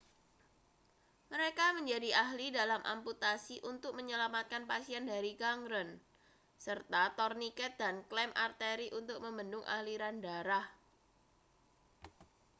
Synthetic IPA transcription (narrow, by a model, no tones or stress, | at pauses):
məɾekaməɲd͡ʒadiʔaɦlidalamʔa̰mput̪asiʔunt̪ʊk̚məɲəlamat̪̚kanpasiɛndaɾikaŋɾən | sərt̪at̪ɔrnikɛt̪̚danklɛmʔa̰rt̪eɾiʔunt̪ʊk̚məmbəndʊŋʔa̰hliɾandaɾah